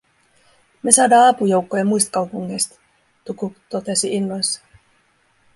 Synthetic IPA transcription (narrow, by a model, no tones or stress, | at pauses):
me̞sɑːdɑːɑpujo̞wkːojemujst̪kɑwpuŋːejst̪ | t̪ukut̪ot̪e̞siinːɑnsːɑ̥